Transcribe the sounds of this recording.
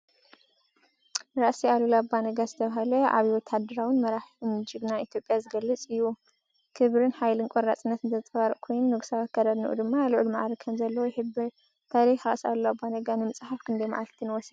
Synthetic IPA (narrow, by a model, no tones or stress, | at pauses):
ɾaʔsialulabːanɐɡazɨt̪ʰɐβaɦɐlɐa̰βiwɔt̪ʰad̪ɨɾawɨnmɐɾaħmɨd͡ʒɨɡnait̪ʰjo̞pʼjazɨɡɐlːɨt͡sʼɨjːu | kʰɨβɾɨnħajlɨnkʷʼoɾat͡sʼɨnːɐt̪ɨnt̪ʰɐɨt̪ʼɐβaɾʔʼkʰo̞jnnːɨɡsawat̪̚kʰɐɾɐd̪nɨʔṵd̪ɨmːaluʕulmaʕɾikʰɐmzɐlːɐwojɪħɨbɐ | t̪ʰaɾixaxʼɐ̰sa̰lulabːanɐɡanɨmɨt͡sʼħafkʰɨnd̪ɐjma̰ʕalt̪ʰinwɔsɐ